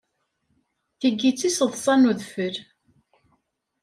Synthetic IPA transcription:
θəɡːit͡sːisəðˤsˤɑnuðfəɾ

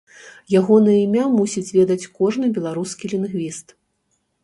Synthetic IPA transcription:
jaɣɔnɐjɐimʲamusʲid͡zʲvʲɛd̪ɐt͡sʲkɔʐnɨbʲɛlˠaɾuskʲilʲinɣvʲist̪

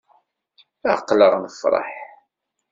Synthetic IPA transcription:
əqːləʁnfɾˤɑ̰ħ

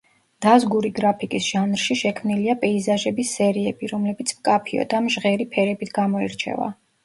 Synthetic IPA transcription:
d̪̥azɡuɾiɡɾapʰikʼisʒ̥anɾʃiʃɛkʰmniliapʼɛizaʒɛbisːɛɾiɛbiɾɔmlɛbit̪sʰmkʼapʰiɔ̰d̪amʒʁɛɾipʰɛɾɛbit̪ʰɡamɔɛɾt͡ʃʰɛ̰va̰

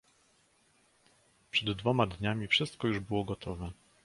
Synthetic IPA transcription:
pʂɛd̪ːvɔmad̪ɲamʲifʂɘst̪̚kɔjuʐbɘwɔɡɔt̪ʰɔvɛ

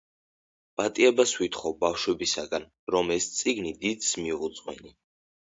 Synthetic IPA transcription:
b̥ʼat̪ʼiɛbaswit̪ʰχɔwbafʃwɛbisaɡan | ɾɔmɛst̪sʼiɡnid̪id̪smiuut̪sʼqʼwɛ̰ni

